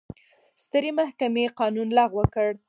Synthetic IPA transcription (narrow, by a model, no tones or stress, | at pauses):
st̪əɾemahkameqɑnunlɑɣwəkəɽ